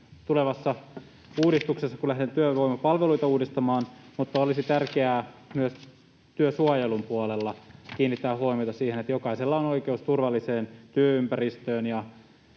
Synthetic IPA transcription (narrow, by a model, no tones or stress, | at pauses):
t̪uleʋɑsːɑ | uːdist̪uksesːɑkulæhdent̪yøʋoimːɑpɑlʋeluit̪ɑuːdist̪ɑmɑːnmut̪ːɑolisit̪ærkeæːmyøs | t̪yøsuɑjelumpuolelːɑkiːnːit̪ːæːhɦoimiojt̪ɑsiːhenet̪jokɑiselːɑono̞ikeust̪urʋɑlːiseːnt̪yøympærist̪øːnjɑ